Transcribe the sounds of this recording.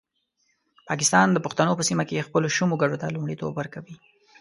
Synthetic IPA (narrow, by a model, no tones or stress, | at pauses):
pɑk̬ɪst̪ɑnd̪əpʊxt̪anopəsimakexpəloʃumoɡaɖot̪alumɽit̪o̰bwəɾkawi